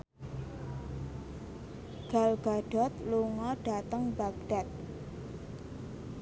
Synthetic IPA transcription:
ɡ̥a̤lɡ̥a̤ɖ̥ɔ̤t̪̚luŋɔɖ̥at̪əŋbaɡ̚ɖ̥at̪̚

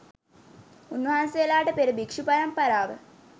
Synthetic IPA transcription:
unʋɐɦansejɐlaːʈɨpeɾubikʂupɐɾɐmpɐɾaːʋə

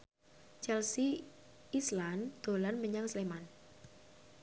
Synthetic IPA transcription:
t͡ʃɛlsiː | sland̪̥o̤lanməɲaŋsleman

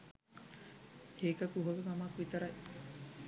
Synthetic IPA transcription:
heːkɐkuɦoɡemɐmaːkuit̪ɐɾɐj

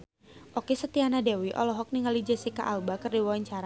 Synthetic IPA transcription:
ʔokesət̪ianadewiʔɔ̰lɔɦɔk̚niŋalid͡ʒəsika̰ʔalbakərdiwawaɲt͡ʃaɾa

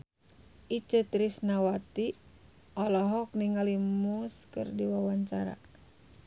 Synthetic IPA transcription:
ʔit͡ʃət̪ɾisnawat̪i | ʔɔlɔɦɔk̚niŋalimuskɨ̰rdiwawaɲt͡ʃaɾa̰

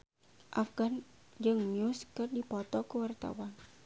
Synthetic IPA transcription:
ʔafɡand͡ʒɨŋmiuskərdipɔt̪ɔkəwart̪a̰wan

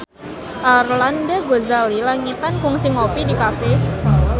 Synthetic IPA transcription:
ʔarlandaɡozalilaŋit̪ankʊŋsɪŋopidikafɛ

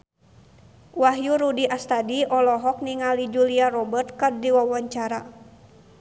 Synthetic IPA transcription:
waɦjuɾudiʔast̪adiɔlɔɦɔk̚niŋalid͡ʒuliarɔbərt̪̚kardiwawaɲt͡ʃaɾa̰

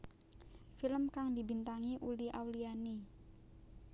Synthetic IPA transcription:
filəmkaŋdibint̪aŋiʔuliawliani

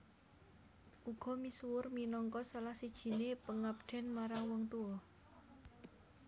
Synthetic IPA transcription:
ʔuɡ̥ɔ̤misuwʊrminɔŋkɔsalahsid̥ʒ̥i̤nepəŋap̚ɖ̥ɛ̤nmaɾaŋwɔŋt̪uwɔ

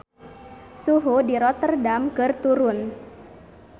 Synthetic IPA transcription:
suɦudiɾɔt̪ərdamkərt̪uɾʊn

